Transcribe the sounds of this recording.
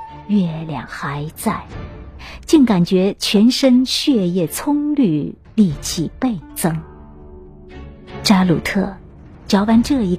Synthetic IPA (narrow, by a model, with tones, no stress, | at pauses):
ɥɛ˥˩ljɑ̰˨˩ŋxa˧˥ɪt͡sa˥˩ɪ | t͡ɕi˥˩ŋka˨˩nt͡ɕɥɛ˧˥t͡ɕʰɥɛ˧˥nʂə˥nɕɥɛ˥˧jɛ˥˩t͡sʰʊ˥ŋly˥˧ | li˥˧t͡ɕʰi˨˩pe˥˩ɪt͡sɤ˥ŋ | ʈ͡ʂa˥lu˨˩t̪ʰɤ˥˩ | t͡ɕjɑ˧˥ʊwa˧˥nʈ͡ʂɤ˥˩i˧˥